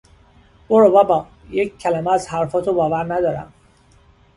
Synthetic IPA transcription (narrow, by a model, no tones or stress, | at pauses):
boɾobæbɒ | jeccʰːælæmeæzhæɾfɒːt̪ʰobɒːvæɾnæd̪ɒːɾæ̰m